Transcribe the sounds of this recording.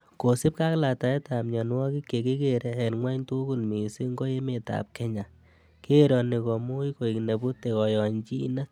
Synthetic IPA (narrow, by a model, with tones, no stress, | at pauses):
ko˨si˦p̚ka˦kla˨ta˨ɛ˦ta˨mɲɔ˨nwɔ˦ki˦kːe˨ki˦ke˦ɾe˦ɛ˨nŋwa˦ɲtu˦ku˦˨nmi˨si˦ŋɡo˦je˦me˨ta̰˨p̚kɛ˦ɲa˨ | ke˦ɾɔ˨ni˨kɔ˨mu˦i˦ko˨i˨kne˨bu˦te˨kɔ˨jɔ˨ɲt͡ʃi˦na˦